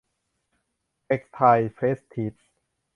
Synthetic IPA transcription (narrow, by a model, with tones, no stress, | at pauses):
ʔe˦˥k̚st̪ʰa˧jfeː˦˥st̪ʰːiː˦˥t̪̚s